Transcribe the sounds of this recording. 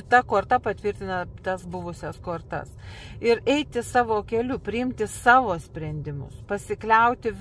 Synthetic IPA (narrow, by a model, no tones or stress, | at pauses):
t̪ɐkoːrt̪ɐpɐt̪ʲʋʲɪrʲt̪ʲɪnɐt̪ɐsbʊʋʊsʲɛskoːrt̪ɐ̰sɪɾɛɪt̪ʲɪsɑːʋoːkʲɛlʲʊpʲɾʲɪɪmʲt̪ʲɪsɑːʋoːsʲpʲɾʲɛnʲd̪ʲɪmʊ̰spɐsʲɪklʲɛʊt̪ʲɪ